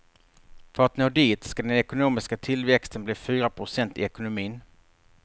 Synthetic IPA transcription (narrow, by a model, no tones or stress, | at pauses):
fœɾat̪noːd̪iːt̪skad̪ɛnɛkʊnuːmɪskat̪ʰɪlvɛkst̪ənbliːfyːɾapʰɾʊsɛnt̪ɪ̰ɛkʊnʊmiːn